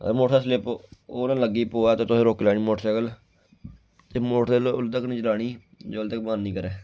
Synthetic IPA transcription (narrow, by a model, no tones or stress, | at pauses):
ə̰moːʈʰaːslɪpoːnãːləɡiːpoːɛːt̪eːt̪ʊsẽːɾoːkːlaːniːmoːʈsɛːkəl | t̪emoːʈʰd̪elʊld̪əkniːt͡ʃəlaːɳ̃iː | d͡ʒoːld̪əkmaːnːĩːkəɾɛː